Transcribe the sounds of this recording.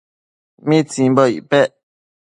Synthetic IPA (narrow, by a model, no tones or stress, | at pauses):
mĩt͡sĩbəḭpɛʔ